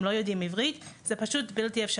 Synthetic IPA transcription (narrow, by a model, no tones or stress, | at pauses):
lo̞jod̪imivʁit̪z̥epaʃutbilt̪iefʃa